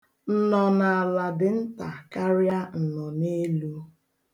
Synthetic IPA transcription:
n̩˦˨nɔ˨na˨a˨la˨dɪ˨n̩˦ta˨ka˦ɾja˦n̩˨nɔ˨ne˦lu˦

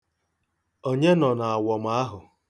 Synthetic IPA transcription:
o˦ɲe˦nɔ˨na˨a˨wɔ˨m̩˦a˦ɦʊ˨

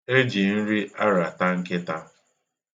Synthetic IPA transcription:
e˦d͡ʒi˨n̩˦ɾi˦ʔa˦ɾa˨ta˦ŋ̩˦ke˦ta˦

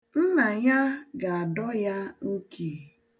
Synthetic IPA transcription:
n̩˦na˨ja˦ɡa˨a˨dɔ˦ja˦ŋ̩˦ki˨

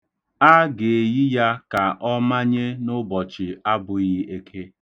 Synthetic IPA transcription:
a˦ɡe˨ɣi˦ja˦ka˨ʔɔ˦ma˦ɲe˦nʊ˦bɔ˨t͡ʃɪ˨a˦bʊ˨ɣi˦e˦kʰe˦

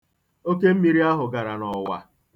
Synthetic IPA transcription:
o˦ke˦m̩˦mi˨ɾi˦a˦ɦʊ˨ɡa˨ɾa˨nɔ˨wa̰˨

